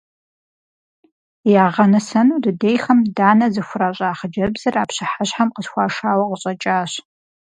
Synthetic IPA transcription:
jaːʁɐnɨsɐnudɨdejxɐmdaːnɐzɨxʷʊraːɕʼaːχəd͡ʒɐbzɐraːpɕɨħaɕħamqəsxʷɑːʂaːwɐqəɕʼɐt͡ʃʼaːɕ

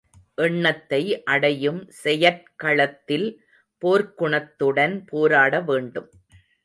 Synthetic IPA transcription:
ʔɛɳːɐt̪ːɐɪʔɐɽɐjɯmsɛjɐt̚kɐɭɐt̪ːɪl | poːɾkʊɳɐt̪ːɯɽɐnpoːɾaːɽɐʋeːɳɖɯm

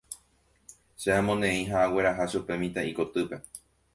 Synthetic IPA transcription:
ʃeãmõnẽ̞ĩɦaʔawe̞ɾaɦaʃupe̞mĩt̪aiko̞t̪ɨpe̞

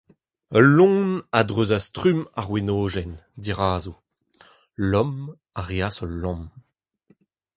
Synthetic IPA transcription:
əlːɔ̃ːnadʁøːzastʁymaʁwenoːʒɛnd̪iʁaːzu | lɔm | aʁeasɔlːɔ̃m

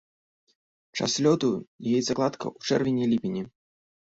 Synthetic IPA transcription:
t͡ʂa̰slʲɔt̪ujjɛt̪zaklˠat̪kʰɐ̰ʔut͡ʂɛrvʲenʲilʲipʲinʲi

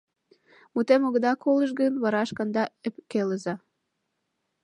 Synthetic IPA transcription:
mut̪emoɣəd̪ɑkʰoləʃ̬ɣənβɑɾɑʃkɑnd̪ɑepkeləzɑ

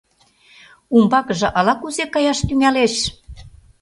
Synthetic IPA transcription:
umbɑkə̆ʒɤ̆ʔɑlɑkuzekɑjɑʃt̪yŋæleʃ

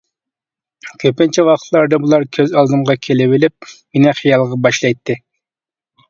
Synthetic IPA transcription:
kʲʰøpɪnt͡ʃʰɛwɑqʰt̪ʰlˠɑɾd̪ɑbulˠɑɾkʲʰøzɑlˠd̪ɨmʁɑkʲʰelɪbɪlɪp̚menɪχijɑlˠʁɑbɑʃlˠɑjt̪ːɨ

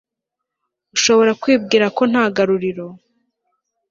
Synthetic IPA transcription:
uʃo̞βo̞ɾakwiːb̚ɡiːɾako̞n̥haːɡaɾuɾiɾo̞

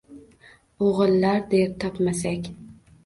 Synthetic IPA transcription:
oʁɨlˠːaɾd̪ep̚t̪ʰɒpmasakʲ

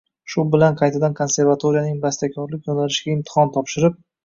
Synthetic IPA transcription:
ʃʊbɪlanqʰɑjt̪ʰad̪ankʰonse̞ɾvat̪ʰoɾijanɪŋbast̪ʰakʲʰɒɾlɪk̚ʲjonaɾɪʃɪɡʲaɪmt̪ʰɪ̥hɒnt̪ʰɒpʃɪɾɪp̚

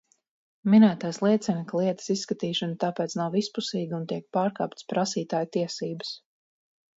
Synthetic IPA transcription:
minæːt̪aːjslˠiɛt̪sɛnklˠiɛt̪ə̥sisːkat̪iːʃant̪aːpɛːt̪snawispusiːɡunt̪iɛk̚paːɾka̰ːpt̪spɾasiːt̪aːjt̪iɛsiːbəs

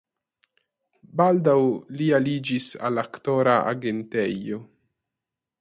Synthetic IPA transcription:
baldawlialid͡ʒisa̰laktoɾaʔa̰ɡe̞ntejo

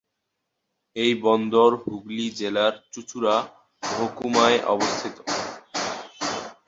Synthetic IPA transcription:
ejbɔnd̪oɾɦuɡlid͡ʑelaɾt͡ɕut͡ɕʰuɾa | bʱokumaeʔɔ̰bost̪ʰit̪o

